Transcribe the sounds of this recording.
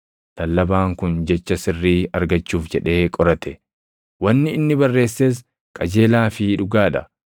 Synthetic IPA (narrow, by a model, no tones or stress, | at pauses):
t̪ɐlːɐbaːŋkʊnd͡ʒɛt͡ʃːɐsɪrːiːɐɾɡɐt͡ʃːuːfd͡ʒɛᶑe̞ːkʼɔɾɐt̪ɛ | wɐnːɪɪnːɪbɐrːe̞ːsːeːs̬ | kʼɐd͡ʒe̞ːlaːfɪᶑʊɡaːᶑɐ